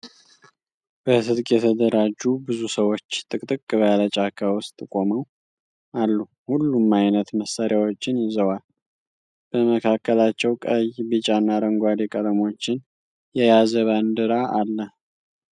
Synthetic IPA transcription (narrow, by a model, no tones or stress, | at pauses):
b̥əsɨd̪kʼjɛt̪ʰəd̪əɾad͡ʒːubɨzusəwo̞t͡ʃːt̪ʼɨkʼt̪ʼɨkʼːɨβalət͡ʃʼakʰawʊst̪ʼkʼo̞məw | alːu | hulːumajnət̪məsːaɾjawo̞t͡ʃːɪnjɪzəwal | b̥əməkʰakːəlat͡ʃːɛwkʼəjbɨt͡ʃʼanːaɾəŋɡʷad̪ekʼəd̪əmo̞t͡ʃːɪn | jɛjazəβand̪ɨɾaʔalːə